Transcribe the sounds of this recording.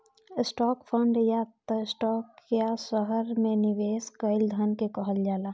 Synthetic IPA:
ɪsʈɔːkpʰə̃ɳɖjat̪əsʈɔːkjasəɦəɾmẽnɪʋeːskəɪld̪ʱənkekəɦəld͡ʒaːlaː

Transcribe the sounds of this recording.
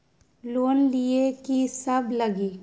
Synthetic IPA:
loːnliekisɐbləɡiː

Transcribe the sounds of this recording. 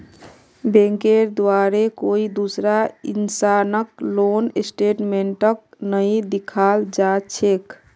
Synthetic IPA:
bẽŋkeɾd̪waɾekoid̪usɾainsanək̚lonesʈeʈmeɳʈək̚nəid̪ikʰald͡ʒat͡ʃʰek

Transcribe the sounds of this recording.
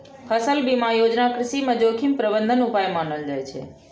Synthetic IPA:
pʰəsəlbimãjod͡ʒnakɾɪʃiməd͡ʒokʰimpɾəbənd̪ʱənupajmaɳəld͡ʒajt͡ʃʰḛ

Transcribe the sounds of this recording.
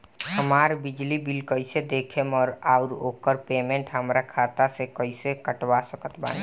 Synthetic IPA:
həmaːɾbɪd͡ʒlibilkəɪsed̪eːkʰemɔːɾaʊɾo̰ːkəɾpeːmẽɳʈɦəmɾakʰaːt̪asekəɪsekəʈʋasəkət̪ba̰ːni

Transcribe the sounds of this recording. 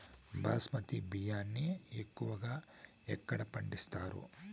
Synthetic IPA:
bʱa̰ːsmɐt̪ibijaːnːiekːuʋɐɡaː | ɛkːɐɽɐpɐɳɖist̪aːɾṵ

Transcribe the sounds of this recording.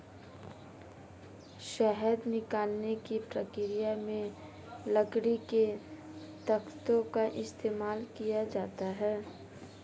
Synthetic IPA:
ʃɛɦəd̪nɪkaːlnekipɾəkɪɾijamẽ | ləɡɽike | t̪ɐkt̪õkaʔɪst̪eːmaːlkijad͡ʒaːt̪aɦɛː

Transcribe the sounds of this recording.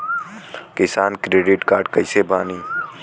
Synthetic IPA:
kɪsaːnkɾeːɖɪʈkaːɾɖkəisebaːniː

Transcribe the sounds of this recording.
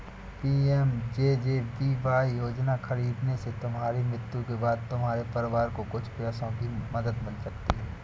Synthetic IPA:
piːɛmd͡ʒeːd͡ʒeːʋiːʋaːijoːd͡ʒnaxɐɾiːd̪neset̪ʊmɦaːɾimɾɪt̪jũkebaːd̪̚t̪ʊmɦaːɾepɐɾɪʋaːɾkokʊt͡ʃʰpjaːsõkimɐd̪əd̪bɐnsɐkt̪iɦɛː

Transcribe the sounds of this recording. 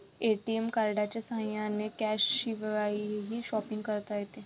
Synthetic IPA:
eːʈiemkaːɾɖat͡ʃesãːjãnekɛːʃiʋɐɾaːiɦiʃɔːpɪ̃ŋɡkɐɾt̪aet̪eː

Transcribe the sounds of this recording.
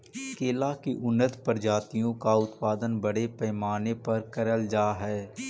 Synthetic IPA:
keːlakiʔʊnːət̪pəɾd͡ʒaːt̪ijõkaʊt̪paːd̪ənbɐɽepɛːmaːnepɐɾkɐɾəld͡ʒaːɦɛː

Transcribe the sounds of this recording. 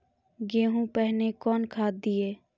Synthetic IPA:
ɡeːɦũpɛɦnekɔːnkʰaːd̪̚d̪ieː

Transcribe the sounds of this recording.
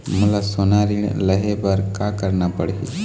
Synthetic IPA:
mʊlasonaɾiɳ̰ʔləɦɛpəɾkakəɾnapəɽḭ

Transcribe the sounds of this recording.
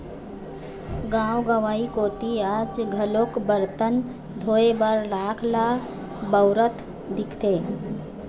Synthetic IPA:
ɡãwɡəʋaikot̪iad͡ʒɡʱəlokbəɾt̪ən | d̪ʱoebəɾlakʰla | bəʊɾət̪ʰ | d̪ikʰt̪e

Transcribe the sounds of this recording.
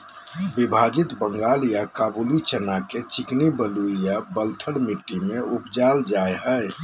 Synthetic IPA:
bibʱad͡ʒit̪bə̃ŋɡalijakabulit͡ʃənaket͡ʃiknibəluijabəlt̪ʰəɽmiʈːimẽupd͡ʒald͡ʒaeɦəe

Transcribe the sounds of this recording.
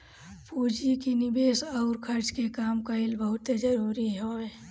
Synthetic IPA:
puːd͡ʒikinɪbeːsaʊɾkʰəɾt͡ʃkekaːmkaɪlbəɦʊt̪ed͡ʒəɾuːɾiɦɛe

